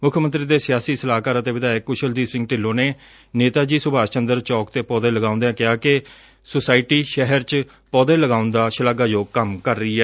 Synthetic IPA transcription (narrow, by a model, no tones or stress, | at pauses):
mʊkʰjəmənt̪ɾiːd̪eːsɪjaːsiːsəlaːkaːɾət̪eːʋɪd̪aːɪkːʊʃəld̪iːsɪ̃ŋɡʈɪlːoːneː | neːt̪aːd͡ʒiːsʊbaːt͡ʃənd̪əɾt͡ʃɔːkt̪eːpɔːd̪ẽːləɡãːʊ̃nd̪ejãːkɪaːkɪ | sʊsaːɪʈiːʃɛɦəɾt͡ʃ | pɔːd̪ẽːləɡaːʊnd̪aːʃəlaːɡaːd͡ʒoːkəmkəɾːəiːɛː